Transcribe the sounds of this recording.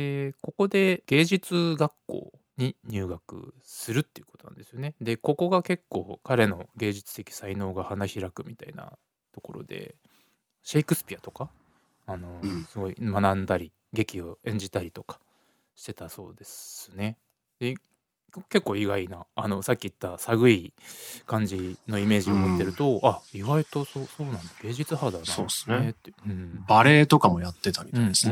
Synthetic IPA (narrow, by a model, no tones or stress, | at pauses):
eko̞ko̞d̪e̞ɡ̥e̞ːʑit͡sɨɡakːo̞̰ː | ɲ̟iɲ̟ɨːɡakɯ̟̰ | sɨɾɯ̟t̪ːe̞iɯ̟̥kot̪o̞nãnd̪esɨjo̞ne̞d̪e̞ko̞ko̞ɡake̞kːo̞ːkaɾe̞no̞ɡe̞ːʑit͡sɨ̥t̪e̞kʲi̥saino̞ːɡahanaçiɾakɯ̟mʲit̪aḭna̰ | t̪o̞ko̞ɾo̞̰d̪e̞̰ | ɕe̞ikɯ̟sɨ̥pʲiat̪o̞ka | ano̞sɨɡo̞imanãnd̪aɾʲi | ɡe̞kʲio̞ẽ̞ɲ̟d͡ʑit̪aɾʲit̪o̞kḁ | ɕi̥t̪e̞t̪aso̞̰ːd̪e̞sɨne̞ | d̪̥e | ke̞kːo̞ːiɡainaːno̞sakʲːiːt̪ːasaɡɯ̟ikãɲ̟d͡ʑino̞ime̞ːʑiomot̪ːeɾɯ̟t̪o̞aiɡait̪o̞soːso̞ːnãnd̪aɡe̞ːd͡ʑit͡sɨhad̪anoːsɨ̥neet̪ːeɯ̃baɾe̞ːt̪o̞kamo̞jat̪ːe̞t̪amʲit̪ːes